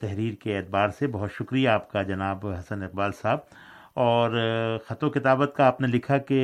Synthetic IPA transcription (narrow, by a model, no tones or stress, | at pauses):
t̪ɛɦɾiːɾkeeːt̪̚baːɾsebɐɦʊt̪ʃʊkɾijaːp̚kad͡ʒɐnaːbɦɐsənɪq̚baːlsaːb̚ | ɔːɾxɐt̪õkɪt̪aːbət̪kaaːpnelɪkʰake